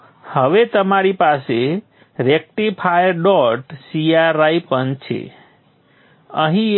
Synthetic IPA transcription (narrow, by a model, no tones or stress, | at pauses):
həʋet̪əmaɾipase | ɾek̚ʈipʰajɖɔʈsijaɾajpənt͡ʃʰḛ | əɦĩ